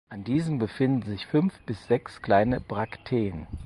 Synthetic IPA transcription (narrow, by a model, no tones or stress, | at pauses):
ʔandiːzəmbəfɪndn̩zɪçfʏnfb̥ɪsz̥ɛkskl̥aɪnəbʁaktʰeːən